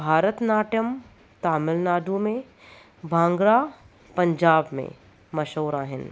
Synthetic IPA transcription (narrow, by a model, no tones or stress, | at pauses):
bʱaːɾət̪naːʈjəm | t̪aːmɪlnaːɖumẽ | bʱãːŋɡɾa | pɐ̃ɲd͡ʒaːbmḛ̃ | mɐʃoːɾaːɦɪn